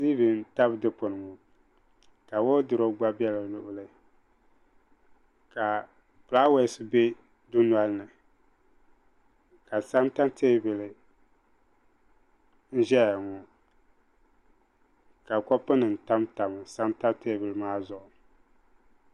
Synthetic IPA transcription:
siː˦bɨ˨n˦ta˦bdɨ˦po˨nɨ˨ŋɔ˨ | ka˨wo˦dɨ˨ɾo˦ɡ͡ba˦bɛ˦la˨lʊ˦ʔʊ˦lɨ˦ | ka˨ | pla˦we˦sɨ˦be˦ | du˦nwa˦lnɨ˨ | ka˨sa˦mta˦mtʰe˦bɨ˨lɨ˨ | n̩˦ʒɛ˦jŋɔ˨ | ka˨kɔ˦pɨ˦nɨ˨n̩˨ta˦mta˨m˨sa˦mta˦bte˦bɨ˨lɨ˨maː˦zʊ˨ʔʊ˨

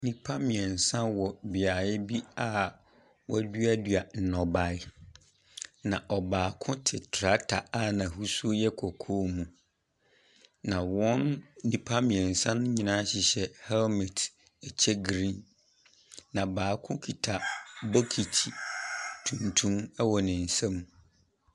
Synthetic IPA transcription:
nĩ˦pʰa˦mɪ̃˨ɛ˨n̩˨sã˦wɔ˨bɪ˨a˨jɪ˦bi˦a˦˨ | wɔ˦æ˦dɥa˦dɥa˨n̩˨nɔ˨ba˨˦ɪ˦ | nã˨ʔɔ˨baː˨kʰʊ̃˦tʰɪ˨tʰɾa˦tʰa˨a˦nã˨hu˦su˦jɛ˦kʰɔ˨kʰɔ˦mũ˨ | nã˨wɔ̃˦nːĩ˦pʰa˦mĩ˨ɛ̃˨n̩˨sã˦n˦ɲĩ˨nã˦ɕɪ˨ɕɛ˦hɛ˦lmɛ˨t | ɛ˨t͡ɕʰɛ˦ɡɾĩ˦nː | ã˨baː˨kʰʊ̃˦kʰi˨tʰa˨bɔ˦kʰi˨t͡ɕʰi˨tʰũ˨ntʰũ˦mɛ˦wɔ˨nɪ̃˨n̩˨sã˦m˨

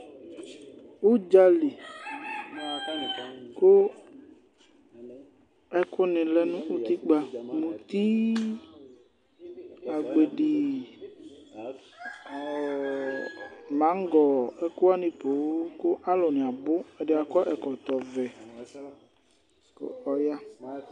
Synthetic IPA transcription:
wo˦d͡ʒa˦li˨ | ko˦ | ɛ˦kʊ˦nɪ̃˨lɛ˦nũ˦ʔu˦t̪i˦k͡pa˦mũ˨t̪i˦ | a˨ɡ͡be˨ɖi˨ | mã˨˦ŋ˦ɡɔ˨ɛ˦ko˦a˦nĩ˨po˨wo˦ko˦ʔa˦lɔ˨nɪ̃˨a˨bʊ˦e˨ɖɪ˦a˨kɔ˦ʔɛ˨kɔ˨t̪ɔ˨vɛ˨ | ko̰˦ɔ˨ja˦

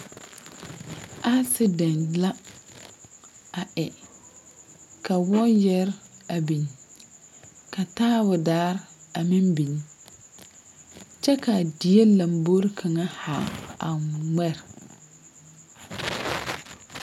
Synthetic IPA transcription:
a˦sɪ˦dɛ˨nla˦ | a˨ʔɛ˨ | ka˨wɔ˦jɛ˦ɾa˨bi˨n˨ | ka˨taː˦bʊ˨daː˦ɾa˨mɪ˦mbi˨ɲ˦ | t͡ʃɛ˦ka˨di˨je˦la˨mbo˦ɾkʰa˨ŋa˦ha˨ŋa̰˨mɛ˦˨ɾ

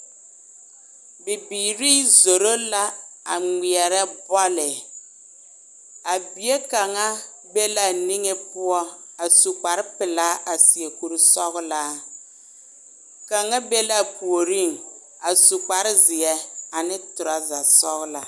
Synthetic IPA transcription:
bɪ˨biː˨ɾiː˦zo˨ɾo˦la˦a˨ŋi˨ɛ˨ɾɛ˦bɔ˦lɪ˨ | a˨bi˨je˦ka˨ŋa˦be˦la˦˨ni˦ŋe˦pʊ˦ɔ˦a˨su˨k͡pa˨ɾɪ˦pɪ˨laː˦ʔa˨si˨e˨ku˨ɾu˦sɔ˦ɣʊ˦la˦ | ka˨ŋa˦be˦la˦˨pu˨o˨ɾi˦˨ŋ | a˨su˨k͡pa˨ɾɪ˦zɪ˨ɛ˦a˨nɪ˦tʊ˨ɾa˨za˨sɔ˦ɣla˨

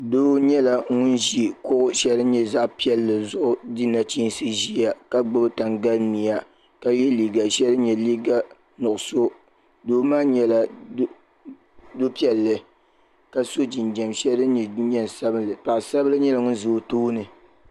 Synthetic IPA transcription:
doː˦ɲɛ˦la˨ŋʊ˦nʒi˦kʊ˦ʔʊ˦ʃɛ˦lɨ˦ɲɛ˦za˦ʔpi˦ɛ˦lːɨ˨zʊ˦ʔʊ˦di˦na˨t͡ʃi˦n˦sɨ˦ʒi˦a˨ka˦ɡ͡bɨ˦bɨ˦ta˨ŋɡa˦lni˨ja˨ | ka˦jɛ˦liː˨ɡa˨ʃɛ˦lɨ˦ɲɛ˨liː˦ɡa˦ | nʊ˨ʔʊ˨so˦ | doː˦maː˦ɲɛ˨la˨˦ | do˦pi˦ɛ˨lːɨ˨ | ka˦so˦d͡ʒi˨nd͡ʒɛ˨mʃɛ˦ɨ˦ɲɛ˨˦ɲɛ˦n˨sa˦bɨ˦nlɨ˨pa˨ʔsa˦blɨ˦ɲɛ˦la˨ŋʊ˦n˦zɨ˨toː˦nɨ˨

